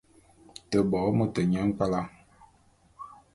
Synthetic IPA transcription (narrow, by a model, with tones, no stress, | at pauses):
tə˨bɔ˨˦mə˨tə˨ɲa˦ŋ˦ka˦la˦